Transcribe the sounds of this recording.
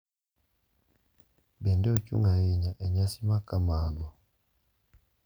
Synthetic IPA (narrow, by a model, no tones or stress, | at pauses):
bɛndɛocṵŋɡajeɲaʔeɲasimakamaɡwa